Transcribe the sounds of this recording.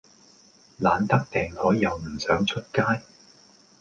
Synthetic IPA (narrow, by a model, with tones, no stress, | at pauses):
laː˨˧nt̪ɐ˥k̚t̪ɛː˨˩ŋhɔː˨˥jːɐ˨˧wm̩˨˩sœː˨˥ŋt͡ʃʰɵ˥t̚kaː˥j